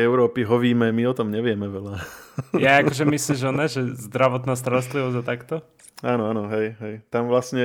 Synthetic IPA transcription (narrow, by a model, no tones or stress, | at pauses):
ɛʊɾɔːpiɦɔʋiːmɛmiɔt̪ɔmɲɛʋɪɛmɛʋɛlajaakɔʒɛmisliʒɔnɛʒɛzd̪ɾaʋɔt̪naːst̪aɾɔst̪liʋɔzɟat̪akt̪ɔ | aːnɔanɔɦɛjɦɛjt̪amʋlasɲɛ